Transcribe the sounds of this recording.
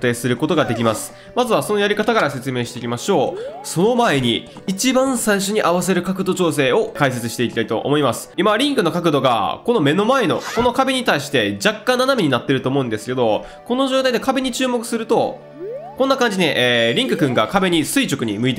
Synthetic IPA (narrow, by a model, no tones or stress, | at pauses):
t̪e̞ːsɨɾɯ̟ko̞t̪o̞ɡad̪e̞kʲimasɨ̥ | mazɨβaso̞no̞jaɾʲikat̪akaɾase̞t͡sɨme̞ːɕit̪eikʲimaɕo̞ːso̞no̞mae̞ɲ̟iː | t͡ɕibãɰ̃saiɕo̞ɲ̟iʔaβas̬e̞ɾɯ̟kakɯ̟d̪o̞t͡ɕo̞ːs̬e̞ːo̞kais̬e̞t͡sɨɕi̥t̪e̞ikʲi̥t̪ait̪o̞̰ʔo̰mo̞imasɨ̥imaɾʲĩŋkɯno̞kak̬ɯ̟d̪o̞ɡa̰ko̞no̞me̞no̞mae̞no̞̰ko̞no̞kabe̞ɲ̟it̪aiɕi̥t̪e̞d͡ʑakːãnːanamʲiɲ̟inat̪ːe̞ɾɯ̟t̪oːmo̞ɯ̃nd̪e̞sɨ̥ke̞d̪o̞ | ko̞no̞ʑoːt̪aid̪e̞kabe̞ɲ̟it͡ɕɨːmo̞kɯ̟̥sɨɾɯ̟t̪o̞ | kõ̞nːakãɲ̟d͡ʑine̞ʔːɾʲĩŋkɯ̟kɯ̟̃ŋɡakabe̞ɲ̟isɨit͡ɕo̞kɯ̟ɲ̟imɯ̟it̪e